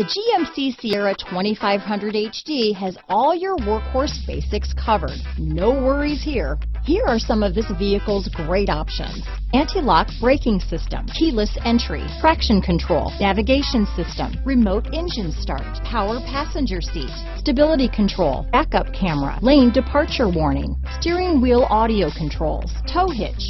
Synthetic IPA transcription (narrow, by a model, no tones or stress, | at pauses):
ðɨd͡ʒiɛ̃msisiɛɹɨtʰw̥ɛ̃ɾ̃ifaɪv̥ɦʌ̃ndɹɨɾeɪt͡ʃd̥iɨzɔlˠjə˞wɜ˞khɔɹsb̥eɪsɨkskʰʌvə̰˞d̥̚noʊwɜ˞iz̥hiɹhiɹə˞sʌ̃mʌvðɪsviɨkl̩ˠzɡɹeɪɾɑpʃɨ̰̃nz̥ | æ̃ntʰilɑkb̥ɹeɪkɪ̃ŋsɪstə̰̃mkʰilˠəsɛ̃nt͡ʃɹ̥ḭfɹækʃɨ̃nkʰɨ̃ntʰɹ̥oʊlˠnævɨɡeɪʃɨ̃nsɪstə̰̃mɹɨmoʊɾɛ̃nd͡ʒɨ̃n̥stɑ̰ɹt̚pʰaʊə˞pʰæsɨ̃nd͡ʒə˞sḭt | stɨbɪlˠəɾikʰɨ̃ntʰɹ̥oʊlˠb̥ækʌp̚kʰæmə˞ə̰lẽɪ̃ndɨpʰɑɹt͡ʃə˞wɔɹnɪ̰̃ŋ | stɪɹɪ̃ŋwilˠɑɾioʊkʰn̩tʰɹ̥oʊlˠz̥tʰoʊɦɪ̰t͡ʃ